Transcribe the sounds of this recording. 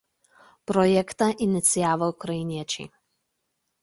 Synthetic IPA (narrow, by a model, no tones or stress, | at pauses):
pɾɔjɛkt̪ɐʔɪnʲɪt̪sʲijaːʋɐkɾɐinʲɛt͡ʃʲḭ